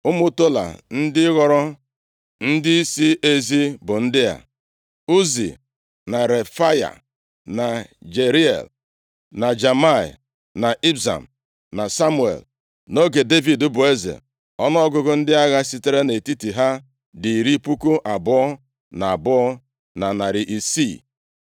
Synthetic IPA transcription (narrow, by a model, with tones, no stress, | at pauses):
ʊ˦mʊ˦to˦la̰˨n̩˦dɪ˦ɣɔ˦ɾɔ˦ | n̩˦dɪ˦i˦si˦e˦zi˦bʊ˨n̩˦dɪ˦ja̰˨ | u˦zḭ˨ | na˨ɾe˨fa˦ja̰˨ | na˨d͡ʒe˨ɾi˦ḛ˨l | na˨d͡ʒa˨ma˦˨ḭ˨ | na˨ʔi˦bza̰˨m̩˨ | na˨sa˦mʊ˦˨ḛ˨l | no˦ɡe˨de˦vi˨dʊ˦bʊ˨e˦zḛ˨ | ɔ˦nɔ˦ɔ˦ɡʊ˦ɡʊ˦n̩˦dɪ˦a˦ɣa˦si˦te˦ɾe˦ne˨ti˦ti˨ɦa˦ | di˨i˨ɾi˦pu˦ko˦ʔa˨bʊ˦ɔ˦ | na˨a˨bʊ˦ɔ˦ | na˨na˨ɾɪ˨ʔi˨si˦˨